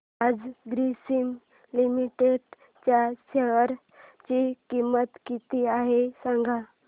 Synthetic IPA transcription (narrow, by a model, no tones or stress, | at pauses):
ad͡zɡɾisim | limiʈeɖ | t͡ɕjaɕeʋəɾ | t͡ɕikimət̪kit̪iaɦesãŋɡʱa